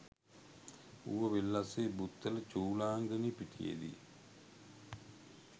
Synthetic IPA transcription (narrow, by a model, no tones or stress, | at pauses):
ṵʋəʋelːasebut̪ːələt͡ʃuːlaːŋɡənipiʈ̪ʰijḛd̪ḭ